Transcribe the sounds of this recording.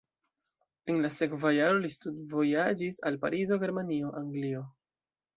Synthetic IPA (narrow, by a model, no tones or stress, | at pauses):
enlase̞kvajaɾo̞listudvo̞jad͡ʒisa̰lpa̰ɾizo̞ɡe̞ɾmanio̞ʔaŋɡlio̞